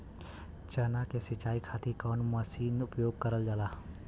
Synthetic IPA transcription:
t͡ʃəːnakesɪt͡ʃaːikʰaːt̪ikɔːnməsiːnʊpjoːɡ̚kəɾəld͡ʒaːlaː

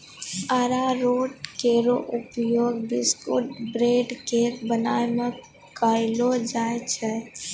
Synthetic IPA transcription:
aɾaɾoːʈkeɾoʔʊpjoːɡbɪskʊ̰ʈbɾeːɖkebənaːemẽ | kaːɪlod͡ʒaːet͡ʃʰɛ

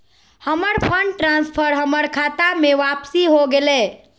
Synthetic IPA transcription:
həməɾpʰəɳɖʈɾãːnspʰəɾɦəməɽkʰaːt̪amẽʋaːpsiɦoɡele

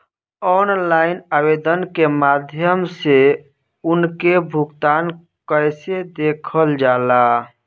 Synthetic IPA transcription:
ɔnlainabed̪ənkemad̪ʱjəmse | unkebʱuɡt̪an | kəjsed̪ekʰəld͡ʒala

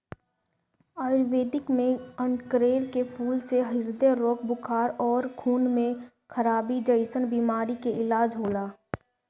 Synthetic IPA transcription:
aːjʊɾʋeːd̪ɪkmẽə̃ɳkɾeːɾkepʰuːlseɦɪɾd̪eɾoːkʰbʊkʰaːɾɔːɾkʰuːnmẽ | kʰəɾaːbid͡ʒəɪsənbiːmaːɾikeɪlaːd͡ʒɦoːlaː

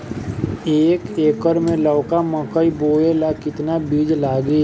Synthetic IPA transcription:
eːkeːkəɾmẽləːkamə̃kəiboːelakɪt̪nabiːd͡ʒlaːɡe

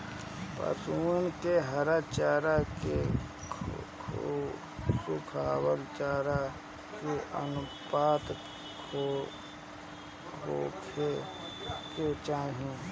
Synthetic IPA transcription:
pə̰suːnkeɦəɾat͡ʃaːɾake | kʰ | sukʰaːwəlt͡ʃaːɾa | keʔə̰nʊpaːt̪ | kʰo | kkʰo̰ːkʰe | ket͡ʃaːɦĩ

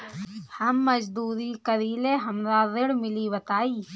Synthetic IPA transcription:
hɐmːɐd͡ʒd̪uːɾiːkɐðiːleɦɐmðaːðɪɽmiliːʋɐt̪aːi

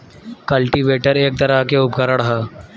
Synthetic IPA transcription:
kɐlʈiʋeːʈəɾeːk̚t̪ɐɾakeʊpkəɾəɽɦaː

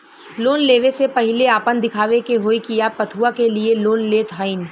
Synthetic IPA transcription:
loːnleːʋesepɐɦɪleaːpə̃nd̪ɪkʰaːʋekeɦoːikijapɐt̪ʰuakelieloːnleːt̪ɦaːɪn

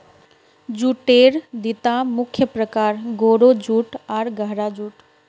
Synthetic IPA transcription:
d͡ʒuːʈeɾd̪it̪amʊkʰjəpɾəkaːɾɡoːɾod͡ʒuːʈaːɾɡəɦɾad͡ʒuːʈ

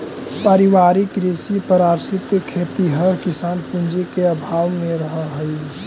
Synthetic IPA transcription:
pəɾiʋaːɾɪkɾesipəɾaːɾsɪt̪kʰeːt̪iɦəɾkɪsaːnpũnd͡ʒekeəbʱaːʋmẽɾəɦəɦəi

